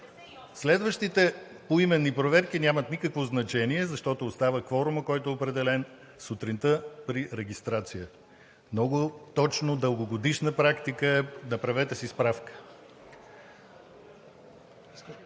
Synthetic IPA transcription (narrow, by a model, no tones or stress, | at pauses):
slɛd̪vəʃt̪it̪ɛ | poimɛnːipɾovɛɾk̟inʲjamət̪nikəkvoznɐt͡ʃɛniɛzɐʃt̪ɔt̪oːst̪avəkvɔɾʊməkɔjt̪ʊɛopɾɛd̪ɛlɛn | sʊt̪ɾint̪əpɾiɾɛɡʲist̪ɾat̪sijə | mnɔɡʊt̪ɔt͡ʃnod̪əlˠɡoɡod̪iʃnəpɾakt̪ikəɛnɐpɾɐvɛt̪əsispɾafkə̥